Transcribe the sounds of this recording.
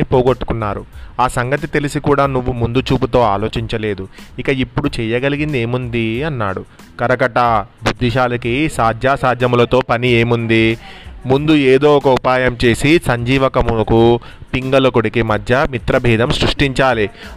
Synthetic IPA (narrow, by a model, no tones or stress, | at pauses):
ipoːɡoʈːu̥kunːaːɾuaːsɐŋɡɐt̪it̪e̞lisikuːɽaːnuʋːumund̪ut͡ʃuːput̪o̞ːaːlo̞ːt͡ʃiɲt͡ʃɐle̞ːd̪uikɐipːuɽut͡ʃɛːjɐɡɐliɡind̪eːmund̪iɐnːaːɽu | kɐɾɐkɐʈɐbʱud̪ʱːiʃaːlɐkisaːd̪ʱjaːsaːd̪ʱjɐmlɐt̪o̞ːpɐnieːmund̪imund̪ueːd̪o̞ːɔkɐupaːjɐmt͡ʃe̞ːsisɐɲd͡ʒiːʋɐkɐmuɐku | piŋɡɐlɐkoɽikimɐd̪ʱjɐmit̪ɾɐbʱiːd̪ʱɐmsɾuʂʈiɲt͡ʃaːli